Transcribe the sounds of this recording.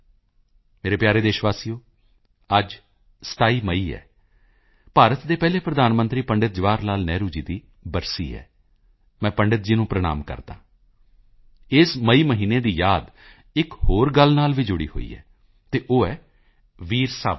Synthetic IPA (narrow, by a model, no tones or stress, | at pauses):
meːɾeːpjaːɾeːd̪eːʃʋaːsijõː | əd͡ʒ | sə̥t̪aːiːməiːɛ̰ː | paːɾət̪d̪eːpɛːleːpɾəd̪aːnmə̃nt̪ɾiːpəɳɖət̪̚d͡ʒʋaːɾnaːlnɛːɾuːd͡ʒiːd̪iː | bəɾsḭːɛ̰ː | mɛ̃ːpəɳɖət̪̚d͡ʒiːnũːpɾəɽ̃a̰ːmkə̰ɾd̪ã̰ː | ɪsməiːməɦiːneːd̪iːjaːd̪ | ɪkhoːɾɡəlnaːlʋiːd͡ʒʊɽḭːho̰ːḭːɛ̰ː | t̪eːʔoːɛː | ʋiːɾsaː